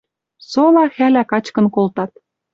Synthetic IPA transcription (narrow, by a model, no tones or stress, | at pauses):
solɑxælækɑt͡ɕkɤ̆nkolt̪ɑt̪̚